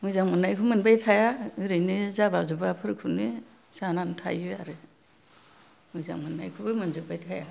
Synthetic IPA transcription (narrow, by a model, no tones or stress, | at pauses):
mɯjzaŋmɯnːajkʰumɯnbajtʰajaɾɯjnɯzabazubapʰɯɾkʰunɯ | sanantʰa̰jɯaɾɯ | mɯjza̰ŋmɯnːa̰jkʰubɯmɯnzɯbajtʰaja̰